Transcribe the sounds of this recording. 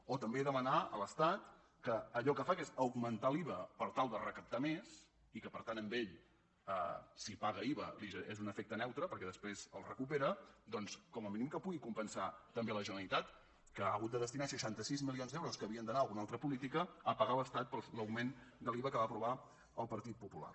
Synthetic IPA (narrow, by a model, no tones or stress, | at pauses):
ot̪əmbeðəmənaə̰ləst̪at̪ | kəːʎɔkəfakezəwɡmənt̪aliβəpəɾt̪alˠd̪ərəkəp̚t̪ames | ikəpəɾt̪anəmbeʎ | ə̰sipaɣəiβə̰liʒəʔezunəfek̚t̪ənɛwt̪ɾəpəɾkɛðəspɾezə̰lˠrə̰kupeɾəd̪ɔnskɔməminimkəpuɣikumpənsat̪əmbeləʒənəlˠit̪at̪ | kəa̰ɣut̪̚d̪əðəst̪inasəʃant̪əsizmilionzd̪ɛwɾoskəːβiənd̪ənaəlˠɣunalˠt̪ɾəpulit̪ikəəpəɣaləst̪at̪̚pəlˠləwɡmend̪əliβəkəβapɾuβa | əlˠpəɾt̪it̪̚pupula̰r